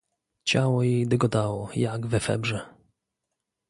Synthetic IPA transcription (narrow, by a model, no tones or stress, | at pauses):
t͡ɕawɔjɛjd̪ɛɡɔd̪awɔjaɡvɛfɛ̰bʐɛ